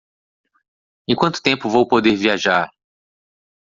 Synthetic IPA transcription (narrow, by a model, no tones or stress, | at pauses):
ẽj̃kwɐ̃nt̪ʊ̥t̪ẽmpʊvowpod̪eɾviaʒaɾ